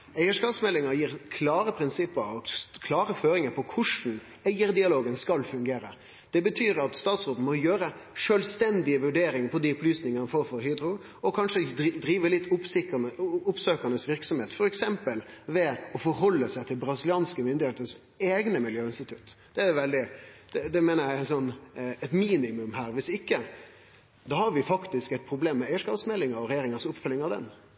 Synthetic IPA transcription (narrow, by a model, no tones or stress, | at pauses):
æɪəʂkɑːpsmɛlːɪŋəɾjiːɾkʰlɑːɾəpʰɾɪnsɪpːəɾɑkʰlɑːɾəføːɾɪŋəɾpʰɔkʰʊʂn̩ | æɪəɾd̪ɪɑloːɡənskɑlfʉŋɡeːɾə̰ | d̪̥ɛbət̪ʰyːɾɑt̪st̪ɑːt̪sʁoːt̪n̩mɔjøːɾə | ʂøːlst̪ɛnd̪ɪəʋʉɖeːɾɪŋəpʰɔd̪iʊplyːsnɪŋəɑnfoːɾfɔɾhyːd̪ɾʊ | ɔkʰɑnʂəd̪ɾiːʋəɾlɪt̪ʰː | ʊpsøːkənəsʋɪɾksɔmheːt̪fɔɾɛksɛmpəlʋɛɔfɔɾɦɔlːəsæɪt̪ʰɪlbɾɑsɪlɪɑːnskəmʏnd̪ɪheːt̪əs | eːɡnəmɪljøːɪnst̪ɪt̪ʰʉt̪ːd̪̥ɛæɛʋɛld̪ɪd̪̥ɛd̪ɛmeːnəɾjæɪɪnsɔnːɛt̪miːnɪmʉmɦæːɾʋɪsɪkːə | d̪ɑːhɑɾʋɪfɑkt̪ɪskæt̪̚pʰɾʊbleːmːɛæɪəʂkɑːpsmɛlːɪŋəɾɔɾɛjeːɾɪŋəɾsʊpːfʉlːɪŋɑʋd̪ɛ̰n